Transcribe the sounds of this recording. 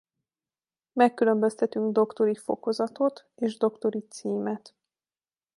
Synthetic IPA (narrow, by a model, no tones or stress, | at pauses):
mɛkːylø̞mbøst̪ɛt̪yŋɡd̪o̞kt̪o̞ɾifo̞̰ko̞zɒt̪o̞t̪ | eːʒd̪o̞kt̪o̞ɾit̪siːmɛt̪